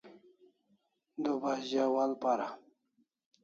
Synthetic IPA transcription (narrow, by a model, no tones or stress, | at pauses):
d̪obaʑawalpaɾa